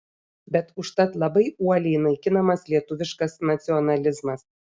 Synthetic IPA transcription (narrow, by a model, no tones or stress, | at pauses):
bʲɛt̪uʃt̪ɑt̪lˠɑbɤjuɐlʲijnɐjkʲinɑmɑslʲiɛt̪uʋʲɪʃkɑsnɐt͡sʲionɑlʲɪzmɑs